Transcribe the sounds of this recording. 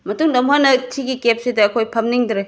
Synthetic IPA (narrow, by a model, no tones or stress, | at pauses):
mɐtuŋdɐmɦanɐtʰiɡikep̚sidɐːkʰojpʰɐmniŋdɾe